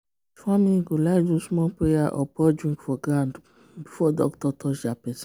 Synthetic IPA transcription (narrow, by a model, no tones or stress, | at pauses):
famĩɡolad͡ʒusmɔ̃pɾejaʔɔpɔd͡ʒĩkfɔɡɾãnd | bifɔdɔ̰ktɔtʰɔʃapɛsĩ